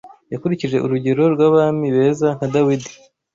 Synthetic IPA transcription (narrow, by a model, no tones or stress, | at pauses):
jakuɾiciʒe̞ʔuɾuɟe̞ɾo̞ɾɡwaβamiβe̞ːzaŋ̥hadawidi̥